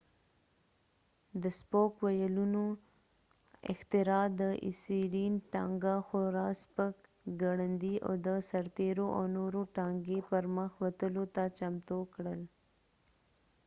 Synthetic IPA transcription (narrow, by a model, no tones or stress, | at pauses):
d̪əspokwajaluno | ɪ̰xt̪ɪɾɑd̪əʔɪ̰siɾinʈɑŋɡaxoɾɑspək | ɡaɽənd̪ia̰d̪əsaɾt̪eɾoʔa̰wnoɾoʈɑŋɡepəɾməxwat̪əlot̪at͡ʃamt̪okɽəl